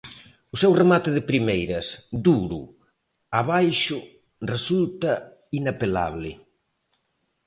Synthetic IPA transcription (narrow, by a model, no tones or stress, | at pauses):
ʊsɛwremat̪ɪðɪpɾimejɾɐsd̪uɾʊ̰ | aβajʃʊ | result̪ɐ | inapela̰βlɪ